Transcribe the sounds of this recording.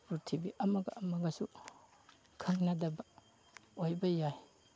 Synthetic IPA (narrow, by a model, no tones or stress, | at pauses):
ɾuɾtʰibiʔɐmɐɡɐʔːmɐɡɐsu | kʰɐŋnɐdɐbɐ | ojbɐjaj